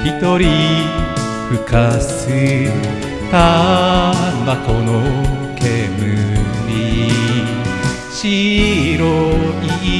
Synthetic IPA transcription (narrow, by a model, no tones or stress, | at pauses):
bit̪o̞ɾʲi | ɸɯ̟kasɨ | t̪a | mbakono | ke̞mɯɾʲi | ɕiɾoi